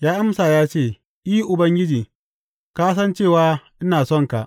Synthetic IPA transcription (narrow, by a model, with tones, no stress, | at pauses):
jaː˦ʔa˦msaː˨jaː˦t͡ʃeː˦˨ | ʔiː˦ʔʊ˨bɐ˦ŋɡʲɪ˦d͡ʒiː˨ | kaː˦s̬ɐ˦nt͡ʃeː˦˨waː˦ʔɪ˦naː˨sɔ˦˨ŋka˨ʔ